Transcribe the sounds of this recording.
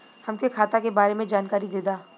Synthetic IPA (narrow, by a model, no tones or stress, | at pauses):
hɐmkekʰaːt̪akebaːɾemẽd͡ʒaːnkaːɾid̪eːd̪aː